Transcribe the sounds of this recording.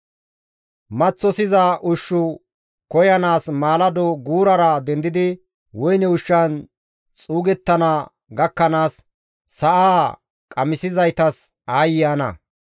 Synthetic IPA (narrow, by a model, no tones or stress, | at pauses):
mɐt͡sːɔsɪzɐʔʊʃːʊ | kɔjɐnaːsmaːlɐd̪ɔɡuːɾɐɾɐd̪ɛnd̪ɪd̪ɪ | wɔjnɛʊʃːɐn | t͡sʼuːɡɛt̪ːɐnɐ | ɡɐkːɐnaːsː | ɐʔaː | kʼɐmɪsɪzɐjt̪ɐs | aːjɪjanɐ̰